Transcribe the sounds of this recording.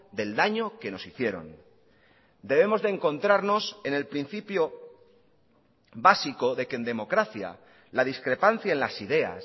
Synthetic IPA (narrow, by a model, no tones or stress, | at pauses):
d̪e̞ld̪aɲo̞ke̞no̞siθje̞ɾo̞̰n | d̪e̞β̞e̞mo̞zðe̞ːŋko̞nt̪ɾaɾno̞se̞ne̞lpɾin̟θipjo̞ | βasiko̞ðe̞kend̪e̞mo̞kɾaθja̰ | laðiskɾe̞panθjaenlasiðe̞a̰s